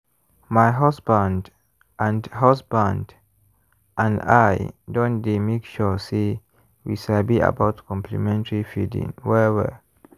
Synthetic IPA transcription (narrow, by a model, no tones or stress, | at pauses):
majɦasbãnd | ʔãndhasbãnd | ʔãnda̰jdɔ̃ndemekʃɔse | wḭʃalbia̰baʊtkʰɔ̃mpʰlḭmɛ̃ntəɹifidḭ̃ŋwɛwɛ̰